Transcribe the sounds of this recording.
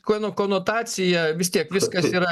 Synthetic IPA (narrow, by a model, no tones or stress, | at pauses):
konokoːnoːt̪ɑːt͡s̪ʲɪjɛʋʲɪst̪ʲiɛkʋʲɪskɐsiːɾɐ